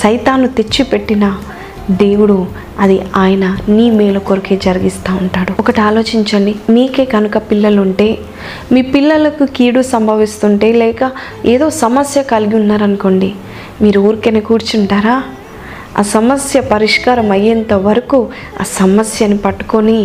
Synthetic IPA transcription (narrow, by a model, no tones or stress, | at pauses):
sɐjt̪aːnːut̪e̞t͡ʃːipe̞ʈːinɐ | d̪e̞ːwuɽu | ɐd̪iaːjɐnɐniːmeːlɐkoɾikeːd͡ʒɐɾɐɡist̪aːuɳʈaːɽuɔkɐʈiaːlo̞ːt͡ʃiɲt͡ʃɐɳɖimiːke̞ːɡɐnukɐpilːɐluɳʈe̞ː | miːpilːɐlɐkukiːɽusɐmbʱɐʋist̪uɳʈe̞ːlɛːkɐ | eːd̪o̞ːsɐmɐsjɐkɐliɡiunːaːɾɐnuko̞ɳɖi | miːɾuuːɾikeːneːkuːɾt͡ʃuɳʈaːɾaː | a̰ːsɐmɐsjɐpɐɾiʂkaːɾɐmɐjːɐnt̪ɐʋɐɾɐku | a̰ːsɐmɐsjɐnipɐʈːu̥koni